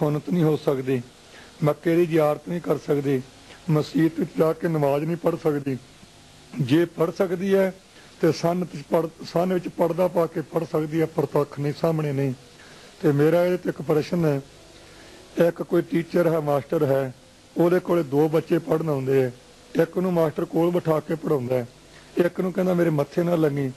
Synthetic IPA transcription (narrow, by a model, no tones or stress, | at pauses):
sʊnət̪nĩːɦoːsəkd̪iː | məkːeːd̪iːd͡ʒjaːɾt̪nĩːkəɾsəkd̪iː | məsd͡ʒiːt̪ʋɪt͡ʃd͡ʒaːkeːnəʋaːd͡ʒnĩːpəɽsəkd̪iː | d͡ʒeːpəɽsəkd̪iːɛː | t̪eːsənəsanʋɪt͡ʃpəɽd̪aːpaːkeːpəɽsəkd̪iːɛːpɾət̪əkʰːnĩːsaːmɳeːnəĩː | t̪eːmeːɾaːɪt̪ɪkpɾeːʃənɛː | ɪkkoːiːʈiːt͡ʃəɾɦɛːmaːsʈəɾɦɛː | oːd̪eːkoːleːd̪oːbətːʃeːpəɽnãːnd̪eːɛː | ɪknũːmaːsʈəɾkoːlbəʈʰaːkeːpəɽãːʊnd̪aːɛː | ɪknũːkɛ̃ːnd̪aːmeːɾeːmət̪ʰːeːnãːləɡɡiː